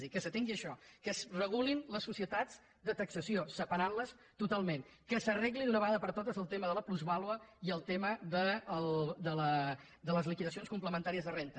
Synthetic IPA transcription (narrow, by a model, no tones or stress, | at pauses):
ðikəsət̪eŋɡiəʃɔkəsrəɣ̞ulinləsːusiət̪ad͡z | d̪ət̪əksəsiosəpəɾanləs | t̪ut̪alˠmen | kəsərɛɣlinunəβəɣaðəpəɾt̪ot̪əzəlˠt̪eməðələpluzβalˠwəiəlˠt̪eməd̪əəlˠd̪ələ | d̪ələzlikiðəsionskumpləmənt̪aɾiəzðərent̪ə